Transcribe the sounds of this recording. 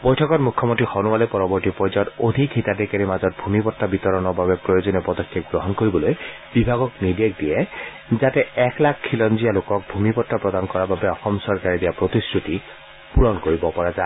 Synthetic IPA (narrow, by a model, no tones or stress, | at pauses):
bɔjtʰɔkɔtmukʰːɔmontɹixɔnuwalɔpɔɹɔbɔɹtipɔjzɔtodʱikhitadɛkaɹimazɔt̚bʱumipɔtːabit̪ɔɹɔnɔɹbabɛpɹɔjozɔnepɔdɔkʰːeɡɹɔɦɔnkoɹibɔloj | bibʱaɡɔknidek̚diɛ | zatɛɛklakʰkʰːilɔnzijalokɔk̚bʱumipɔtːapɹɔdankɔɹababɛɔxɔmsɔɹkaɹidijapɹotisɹuti | puɹɔnkoɹibɔpɔɹaza